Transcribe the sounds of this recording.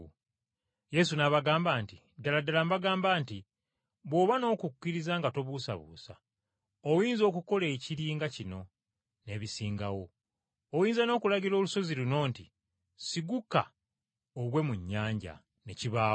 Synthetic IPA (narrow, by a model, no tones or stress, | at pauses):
je̞s̬unaβaɡaːmbaːnti | daladalambaɡaːmbaːnti | βwo̞ːβano̞ːkukːiɾizaːŋɡato̞βusa̰βṵːsa̰ | owiːnzo̞ːkuko̞leːciɾiːŋɡacino̞ | ne̞ːβisiːŋɡawo̞ː | jiːnzano̞ːkulaɟiɾo̞ːluso̞ziluno̞ːnti | siɡuka̰ | oβwe̞muɲːaːɲɟa̰ | ne̞ciβaː